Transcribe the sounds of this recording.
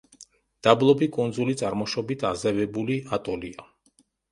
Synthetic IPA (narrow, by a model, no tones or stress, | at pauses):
d̪̥ablˠɔbikʼund̪zulit̪sʼaɾmɔʃɔbit̪ʰazɛvɛbuliat̪ʼɔlia